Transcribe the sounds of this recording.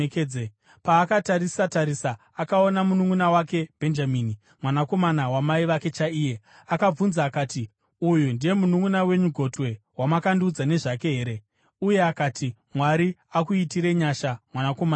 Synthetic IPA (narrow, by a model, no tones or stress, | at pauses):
keːd͡ze | paːkataɾisataɾisaːkao̞namunuŋunawake̞b̥ʱe̞nd͡ʒamiːni | mwanako̞manawamaiʋake̞t͡ʃaiːje̞ | akab͡vunzaːkaːti | ujundije̞munuŋɡunawe̞ɲuɡʱo̞twe̞ | wamakandiːd͡zane̞ʐake̞ɦe̞ːɾe̞ | uje̞akati | mwaɾiakuitiɾe̞ɲaʃamwanakoman